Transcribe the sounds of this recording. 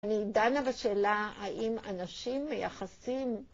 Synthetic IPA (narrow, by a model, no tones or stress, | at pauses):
nidanavaʃeːlahaʔimanaʃimːejaχasim